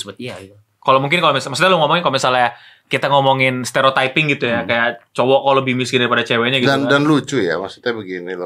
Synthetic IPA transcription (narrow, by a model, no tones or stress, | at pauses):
səbət̪̚ia | kalomuŋk̬ɪnkalomismaksut̪jaləŋɔmɔŋɪnkalomisala | kit̪aŋɔmɔŋɪnst̪eɾot̪aipɪŋɡit̪ujakajaʔt͡ʃowɔkaləbɪhmuskɪndaɾipadat͡ʃeweɲaɡidandanlut͡ʃuja̰masu̥t̪abəɡinil